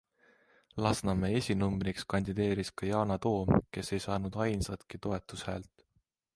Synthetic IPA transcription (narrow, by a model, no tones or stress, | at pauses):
lɑsnɑmeesʲinumbrikskɑnʲd̪id̪e̞ːɾiskɑjɑːnɑt̪o̞ːmke̞se̞jsɑːnud̪̥ɑjnsɑt̪kit̪o̞e̞t̪ːˑushæ̰ːlt̪ˑ